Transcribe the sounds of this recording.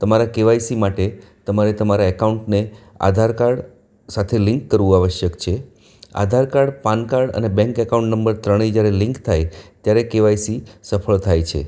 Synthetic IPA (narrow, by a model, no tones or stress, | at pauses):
t̪əmaɾakeʋajsimaʈet̪əmaɾet̪əmaɾaekauɳʈnea̰d̪ʱaɾkaɾɖ | sat̪ʰelɪ̃ŋkːəɾʋũaʋəʃjəkt͡ʃʰe | a̰d̪ʱaɾkaɾɖpankaɾɖə̰nebɛ̃ŋkɛkaũɳʈnəmbəɾt̪ɾəɽ̃id͡ʒjaɾelɪ̃ŋkt̪ʰajt̪jaɾekeʋajsisəpʰəɭt̪ʰajt͡ʃʰḛ